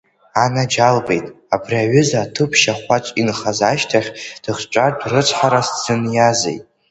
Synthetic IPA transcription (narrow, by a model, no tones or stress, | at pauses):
anad͡ʒalbe̞jtʼ | abriaɥʏzaːtʰɨpʰʃaχʷat͡ʃʷʼinχazaʃtʰaχʲd̥ɨχt͡ʃʷʼardʷrɨt͡sʷʰʼħaɾast͡sʰɨnjazḛjtʼ